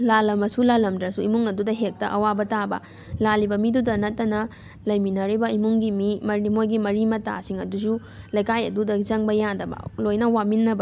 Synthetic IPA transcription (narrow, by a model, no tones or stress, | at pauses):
lalɐmɐsulalɐmdɾɐsuimuŋɐdudɐɦek̚tɐʔɐwabɐtabɐ̰ | lalibɐmidudɐnɐt̚ːɐnɐ | lɐjminɐɾibɐimuŋɡimimɐɾimojɡimɐɾimɐta̰siŋɐdusu | lɐjkʰajɐ̰dudɐd͡ʒɐŋbɐjadɐbɐ̰lojnɐwaminːɐbɐ